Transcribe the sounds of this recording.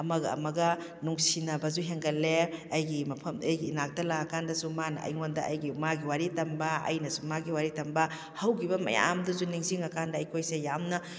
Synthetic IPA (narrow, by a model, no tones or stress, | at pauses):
ɐmɐɡɐ̰ɐ̰mɐɡɐ | nuŋsinɐbɐzuɦeŋɡɐleɐjɡimɐpʰɐmɐjɡiːnak̚tɐlaɐkandɐsumanɐʔɐ̰jŋondɐʔɐ̰jɡimaɡiwaɾitɐmbɐɐ̰jnɐsumaɡiwaɾitɐmbɐ | hɐwkʰibɐmɐ̰ja̰mduzuniŋziŋɐkʰandɐːjkʰojsejamnɐ